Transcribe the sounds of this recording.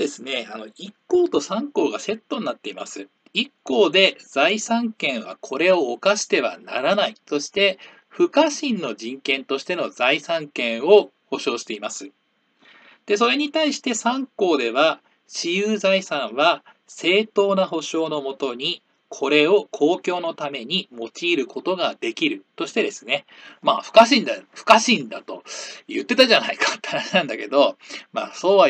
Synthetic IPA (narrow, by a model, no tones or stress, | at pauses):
d̪esɨne̞ano̞ikːo̞ːt̪o̞sãŋko̞ːɡase̞t̪ːo̞ɲinat̪ːe̞ima̰sɨ | ikːo̞ːd̪e̞d͡zaisãŋkẽ̞ɰ̃βa̰kʰo̞ɾe̞o̞ːkaɕi̥t̪e̞β̞a̰na̰ɾanaiso̞ɕi̥t̪e̞ | ɸɯ̟kaɕĩnːo̞ʑĩŋkẽ̞nt̪o̞ɕi̥t̪e̞no̞zaisãŋkẽ̞ɰ̃o̞ | ho̞ɕo̞ːɕi̥t̪e̞imasɨ | d̪̥e̞so̞ɾe̞ɲ̟it̪aiɕi̥t̪e̞sãŋko̞ːd̪e̞βa | ɕijɯːzaisãɰ̃βa | se̞ːt̪o̞ːnaɦo̞ɕo̞ːno̞mo̞t̪o̞ɲ̟i | kʰo̞ɾe̞o̞kʰo̞ːkʲo̞ːno̞t̪ame̞ɲ̟imo̞t͡ɕiːɾɯ̟kʰo̞t̪o̞ɡad̪e̞kʲiɾɯ̟t̪o̞ɕi̥t̪e̞d̪e̞sɨne̞maːɸɯ̟̥kaɕ̬ĩnd̪aɸɯ̟̥kaɕĩnd̪at̪o̞̰jɯt̪ːe̞t̪aʑanaikḁt̪ːaɾanãnd̪ake̞d̪o̞ma̰ːso̞ːβa